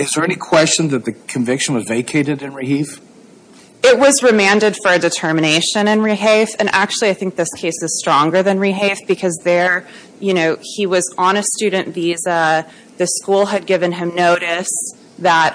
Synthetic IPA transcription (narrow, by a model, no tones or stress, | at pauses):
ɨzðə˞ɛnikʰw̥ɛst͡ʃɨ̃nðɨt̪̚ðɨkʰɨ̃ɱvɪkʃɨ̃n̩wʌzveɪkʰeɪɾɨɾɨ̃nɹihif | ɪt̚wʌzɹɨmæ̃ndɨd̥fə˞ɨdɨtʰɜ˞mɨñeɪʃɨ̃nɨ̃nɹiɦeɪfɨ̃nʔæk̚t͡ʃʉl̩ˠiaɪθɪ̃ŋk̚ðɪskʰeɪsɨz̥stɹ̥ɔ̃ŋɡə˞ðɨ̃nɹiɦeɪfb̥ɨkʰʌzðə˞ | jɨñoʊiwʌzənɨstʉd̃ⁿn̩vizə | ðɨskulˠɨd̚ɡɪvɨ̃nɨ̃mnoʊɾɨs | ðət̚